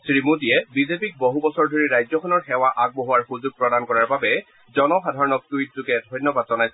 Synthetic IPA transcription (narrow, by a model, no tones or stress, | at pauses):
sɹimutijɛbizepik̚boɦubɔsɔɹdʱoɹiɹajzɔkʰɔnɔɹxɛwaʔaɡ̚boɦuwaɹxuzuɡ̚pɹɔdankɔɹaɹbabɛ | zɔnɔxadʱaɹɔnɔk̚tuit̚zuɡɛdʱɔjnjɔbadzɔnajs